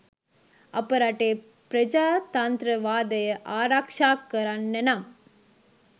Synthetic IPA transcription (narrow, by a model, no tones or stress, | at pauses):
ɐpːɐɾaːʈːeː | pɾɐd͡ʒaːt̪aːnd̪ɾɐʋaːd̪ɐjɐʔaːɾaːkʂaːkːɐɾanːɐnaːm